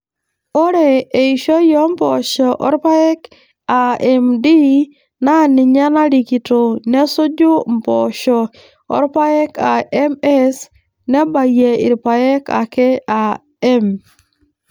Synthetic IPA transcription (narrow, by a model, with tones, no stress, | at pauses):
o˦ɾe˨e˨i˨ʃo˦jɔ˦m˦pɔ˨ʃɔ˨ʔɔ˦ɾpa˦ɛ˦k | a˨ɛ˨mdi˦ | na˦nɪ˨ɲa˦na˦li˨ki˨to˨nɛ˦sʊ˦d͡ʒʊ˦mpɔ̰ʃɔ˨ | ɔ̰˦ɾpa˦ɛ˦ka˨ɛ˦mɛ˦s | nɛ˦ba˨je˨ɪ̰˨ɾpa˨ɛ˦ka̰˨kɛ˦a˨ | ɛ˦m